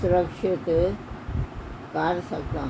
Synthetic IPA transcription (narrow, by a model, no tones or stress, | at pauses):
ʊɾəkʃɪt̪ | kaɾsɐkd̪ã